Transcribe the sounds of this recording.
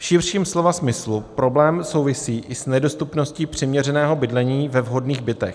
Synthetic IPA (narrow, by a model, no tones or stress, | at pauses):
fʃɪrrʃiːmslo̞vasmɪslupɾo̞blɛːmso̞wvɪsiːʔɪsnɛdo̞st̪upno̞sciːpr̝̥ɪmɲɛrɛnɛːɦo̞bɪdlɛɲiːvɛvɦo̞dniːɣbɪt̪ɛ̰x